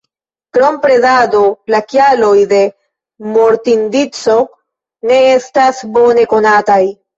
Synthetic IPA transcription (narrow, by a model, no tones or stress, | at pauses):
kɾo̞mpɾe̞dado̞lakjalo̞jde̞ | mo̞ɾtindit͡so̞ | ne̞e̞stasbo̞ne̞ko̞nataj